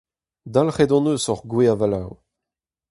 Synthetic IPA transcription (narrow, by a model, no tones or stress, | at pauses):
d̪alχedɑ̃nøːsɔʁɡweavalaw